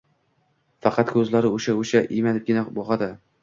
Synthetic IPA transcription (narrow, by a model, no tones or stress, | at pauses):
fɑqʰɑt̪kʰɵzlaɾɪoʃaoʃaʔijmad̪ɪp̚ɡʲɪnabɒʁɑd̪ɪ